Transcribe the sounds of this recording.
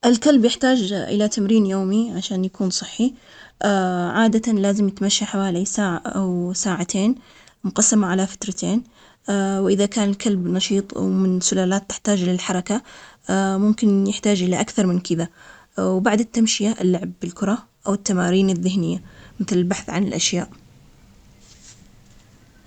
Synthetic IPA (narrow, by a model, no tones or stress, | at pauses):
ʔɪlkalbjɪħt̪aːd͡ʒʔɪ̰lat̪amɾiːnjoːmiʕaʃaːnjakuːnsˤɨħːi | ʔaʕaːd̪at̪alaːzɪmjɪt̪maʃːaħawaːlisaːʕaʔawsaːʕat̪ʰeːn | mʊqɑsːamaʕalafḁt̪ɾˤɑt̪ʰeːn | awʔɪðakaːnɪlkʰalbnɑʃiːt̪ˤwmɪnsʊlaːlaːt̪ːɪ̥ħt̪aːd͡ʒlɪlħɑɾˤɑka | mʊmkɪnjɪħt̪aːd͡ʒʔɪlaʔakθɑɾˤmɪnkɪða | wbaʕd̪ɪt̪ːamʃɪjaʔɪlːʊʕbɪlkʊɾˤɑ | ʔawɪt̪ːamaːɾiːnɪðːɪhnɪjːamɪθlɪlbaħθʕanɪ̰lʔaʃjaːʔ